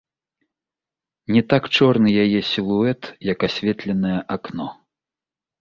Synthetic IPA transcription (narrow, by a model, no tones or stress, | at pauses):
nʲɛt̪akt͡ʂɔrnɨjajɛsʲilˠuɛt̪jɐkasʲvʲɛt̪lʲɛnɐjɐʔaknɔ